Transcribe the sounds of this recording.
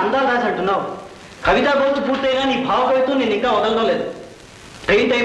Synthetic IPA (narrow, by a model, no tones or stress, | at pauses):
ɐnd̪aːɾaːs̬ɐɳʈunːaːwu | kɐʋit̪aːɡoːsʈupuːɾt̪ːɐjnaːniːbʱaːʋɐkɐjt̪uːneːnːiŋkaːɔd̪ɐlɐd̪ɐːleːd̪u | ʈɾejnʈɐj